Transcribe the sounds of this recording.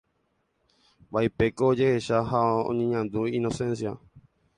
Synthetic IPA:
baipe̞koːd͡ʒe̞heʃahaõ̰ɲẽɲãnd̪uino̞sẽ̞nsja

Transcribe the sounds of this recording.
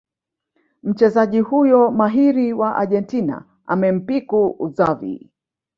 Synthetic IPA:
m̩t͡ʃɛzaʄihujɔmaɦiɾiwaʔa̰ʄɛntina̰ | amɛm̩pikuuzavḭ

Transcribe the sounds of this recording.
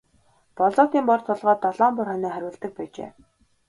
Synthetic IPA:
pɔɮɔːt̪iːmpɔrt̪ʰʊɮʁɔːt̪ːɔɮɔːmpʊrχœniːχæɾʲʊ̆ːɮt̪ə̆k̚pæːt͡ɕḛː

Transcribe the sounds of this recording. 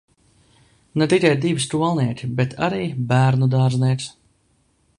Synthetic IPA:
net̪ikʲajd̪ivist̪uɔlˠniɛkʲibet̪ʰa̰ɾiːbæːɾnud̪aːɾzniɛks

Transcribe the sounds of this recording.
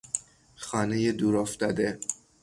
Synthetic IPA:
xɒːnejed̪uːɾoft̪ɒd̪e

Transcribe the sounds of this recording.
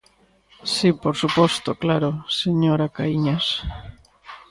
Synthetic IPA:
sipoɾsupɔst̪oklaɾoseɲoɾakaiɲas

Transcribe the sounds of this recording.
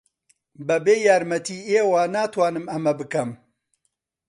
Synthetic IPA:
bɐbeːjaːɾmɐt̪ʰiːeːwaːnaːt̪ʰwaːnɨmɐmɐbɨkɐm

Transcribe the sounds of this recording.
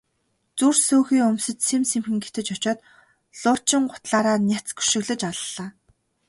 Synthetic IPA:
t͡sursoːxiːɵmsɘ̆t͡ɕsemsemxɘ̆ŋɡet̪ɘ̆t͡ɕɔt͡ɕɔːt̪ | ɮʊːrʰt͡ɕɪ̆ŋɢʊ̥t̪ɮaːɾaːnʲat͡sɡu̥ʃɪ̆ɣɮɘ̆t͡ɕaɮɮaː

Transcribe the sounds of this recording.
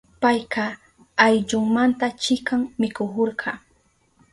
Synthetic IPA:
pajqɑː | jʎʊŋmant̪at͡ʃɪkaŋmɪkohoɾɢɑ

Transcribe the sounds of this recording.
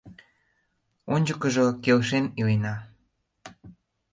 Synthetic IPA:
onʲd͡ʑəkəʒokelʃenilenɑ

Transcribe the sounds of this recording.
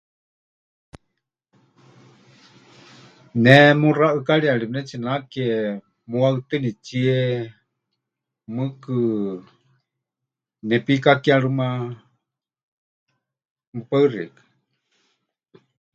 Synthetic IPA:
nɛmuraʔɨkaɺiaɺinɛt͡ʃinakɛ | muaɨt̪ɨnit͡ʃiɛ | mɨkɨ | nɛpikakiaɺuma | mɨpaɨrḭkḁ

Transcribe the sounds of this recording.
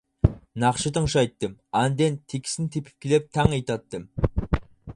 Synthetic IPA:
nɑqʃɨt̪ʰəŋʃɑjt̪ːɨmɑnd̪ent̪ʰekʲʰɪ̥sɪnt̪ʰepʰɪ̥p̚kʲʰelep̚t̪ʰæŋɑjt̪ɑt̪ːɨm

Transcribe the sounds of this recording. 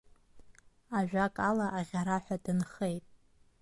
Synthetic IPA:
aʒᶣakʼalaʔaʁʲaɾaħʷᶣadɨnχejtʼ

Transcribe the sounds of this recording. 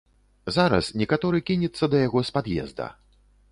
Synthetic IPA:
zaɾɐ̰snʲɛkat̪ɔɾɨkʲinʲɛt̪sːɐd̪ɐjaɣɔspad̪jɛ̰zd̪ɐ̰

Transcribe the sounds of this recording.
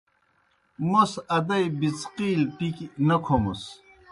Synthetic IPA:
mosɐd̪ɐjbit͡sqiːlʈiknɐkʰomṵs

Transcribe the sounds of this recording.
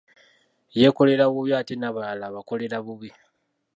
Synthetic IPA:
je̞ko̞le̞ɾaβuβjiatenaβalaβako̞le̞ɾaβuβi

